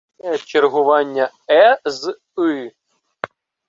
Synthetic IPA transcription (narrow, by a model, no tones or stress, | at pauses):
t͡ʃerɦʊʋɑnʲːɐ | ɛz | ɨ